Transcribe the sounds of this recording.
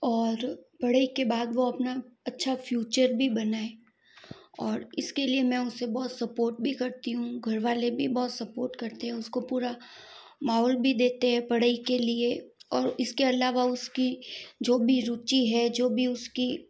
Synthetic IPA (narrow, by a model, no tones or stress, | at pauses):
ɔːɾpɐɽ̤əikebaːd̪ʋoɐpnaɐtːʃʰafjuːt͡ʃəɾbʱibɐnaːe | ɔːɾɪskeliemɛ̃ʊsːebɔːt̪sɐpoːɾʈ̚bʱikɐɾt̪iɦũɡʱɐɾʋaːlebʱibɔːt̪sɐpoːɾʈkɐɾt̪eɦɛ̃ʊskopuːɾa | maːɦlbʱid̪eːt̪eɦɛ̃pɐɽəikelieɔːɾʊskeɐlaːʋaʊskid͡ʒoːbʱiɾut͡ʃiɦɛd͡ʒoːbʱiʊski